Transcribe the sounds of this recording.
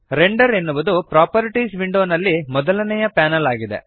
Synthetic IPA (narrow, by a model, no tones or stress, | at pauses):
ɾeɳɖɐɾe̞nːuʋud̪upɾaːpɐɾiʈiːsʋiɳɖoːnɐlːimɔd̪ɐlɐnɛjɐpaːnɐlaːɡid̪ḛ